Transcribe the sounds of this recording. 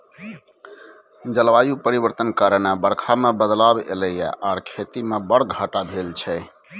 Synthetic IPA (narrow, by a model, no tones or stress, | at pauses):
d͡ʒəlʋajupəɾibəɾt̪ənkəɾnabəɽkʰamebəd̪labḛləja̰ʔaɾkʰet̪imebəɽɡʱəʈabʱelt͡ʃʰɛ